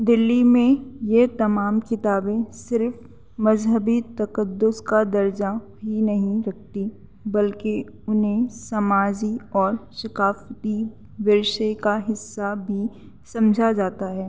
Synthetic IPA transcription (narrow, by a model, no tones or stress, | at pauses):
d̪ɪlːimẽjet̪ɐmaːmkɪt̪aːbẽsɪɾf | mɐzɦəbit̪ɐkəd̪ːʊskad̪ɐɾd͡ʒabʱinɐɦĩɾɐk̚ʰt̪i | bɐlke | ʊnɦẽsɐmaːd͡ʒiɔːɾʃɐkaːft̪i | ʋɪɾʃekaɦɪsːabʱi | sɐ̃md͡ʒʱad͡ʒaːt̪aɦɛː